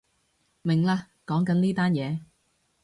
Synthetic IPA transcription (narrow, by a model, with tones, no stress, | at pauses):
mɪ˨˩ŋlaː˧ | kɔː˨˥ŋkɐ˨˥nliː˥t̪aː˥njɛː˨˧